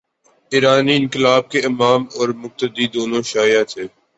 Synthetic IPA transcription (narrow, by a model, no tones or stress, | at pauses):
ɪːɾaːniɪ̃nkɪlaːb̚keɪmaːmɔːɾmʊk̚t̪əd̪id̪oːnõʃaːjat̪ʰeː